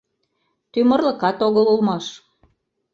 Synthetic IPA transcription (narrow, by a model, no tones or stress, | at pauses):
t̪ymə̆rlə̆kɑt̪oɣəlulmɑʃ